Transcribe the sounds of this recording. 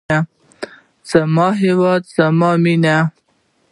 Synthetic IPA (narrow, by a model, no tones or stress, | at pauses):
a | z̥amɑɦɪwɑd̪z̥amɑmina